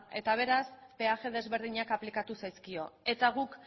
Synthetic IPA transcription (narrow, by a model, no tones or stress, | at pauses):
e̞̰t̪aβ̞e̞ɾaspe̞aʝe̞ðe̞zβe̞ɾð̞iɲakaplikat̪usajskio̞e̞t̪aɣ̞uk